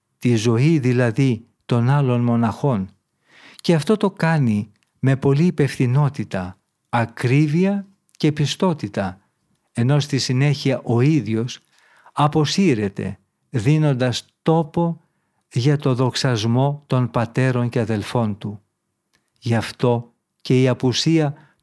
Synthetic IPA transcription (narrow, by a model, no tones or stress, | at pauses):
t̪izo̞iðilɐði | t̪o̞nɐlo̞nmo̞nɐxo̞n | ce̞ɐft̪o̞t̪o̞kɐni | me̞po̞liːpe̞fθino̞t̪it̪ɐː | kɾiviɐ | ce̞pist̪o̞t̪it̪ɐ | e̞no̞st̪isine̞çiɐʔo̞iðʝo̞s | ɐpo̞siɾe̞t̪e̞̰ | ðino̞nd̪ɐst̪o̞po̞ | ʝɐt̪o̞ðo̞ksɐzmo̞t̪o̞npɐt̪e̞ɾo̞nce̞ɐðe̞lfo̞nt̪u | ʝɐft̪o̞ | ce̞iɐpusiɐ